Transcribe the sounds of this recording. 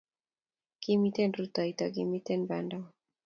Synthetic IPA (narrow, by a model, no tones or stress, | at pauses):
ɡ̥imitenɾut̪ɔit̪ɔɡimitenbandɔ